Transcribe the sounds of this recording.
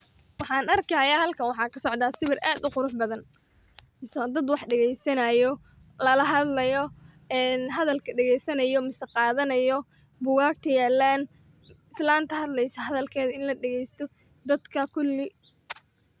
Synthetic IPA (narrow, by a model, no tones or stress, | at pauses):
wɑħɑːnɐrkʰɐjahɐlkʰɐnwɑħɑːkʰɐsɔʕd̪aːsɪβɪrʔaːd̪ʊqʊɾʊħbɐðɐn | mɪsɐd̪ɐd̪wɑħɖɛɣɛjsɐnɐjɔ | lɐlɐɦɐd̪lɐjɔ | ɛːnɦɐðɐlkʰɐɖɛɣɛjsɐnɐjɔmɪsɐqɑːðɐnɐjɔ | bʊɣaːk̚t̪ʰɐjaːlːaːn | ɪslaːnt̪ʰɐɦɐd̪lɛjsɐɦɐðɐlkʰɛːðɐɪnlɐɖɛɣɛjst̪ʰɔ | d̪ɐd̪kʰɐkʰʊlːɪ